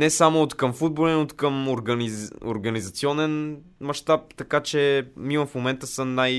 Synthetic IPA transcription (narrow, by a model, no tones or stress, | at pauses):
nɛsamʊot̪kəmfud̪̚bolɛnot̪kəmoɾɡənio̰ɾɡənizɐt̪siɔnɛn | mɐʃt̪ap̚t̪ɐkat͡ʃɛmimɐfmomɛnt̪əsəmnaj